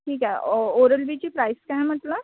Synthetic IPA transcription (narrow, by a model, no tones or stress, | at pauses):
ʈʰiːkɦaoɾəlbit͡ɕiːpɾajskaɦem̤əʈ̪ləb